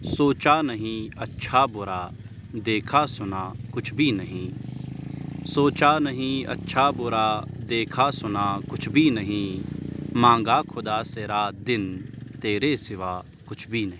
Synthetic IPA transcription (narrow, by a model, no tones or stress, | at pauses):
soːt͡ʃaːnəɦĩɐtːʃʰaːbʊɾaː | d̪eːkʰaːsʊnaːkʊt͡ʃʰbʱinəɦĩː | soːt͡ʃanəɦĩɐ̰tːʃʰaːbʊɾaːd̪eːkʰasʊnaːkʊt͡ʃʰbʱinəɦĩː | mãːŋ̆ɡaːkʰʊd̪aːseɾaːd̪ɪnt̪eːɾesɪʋaː | kʊt͡ʃʰbʱinɐɦĩ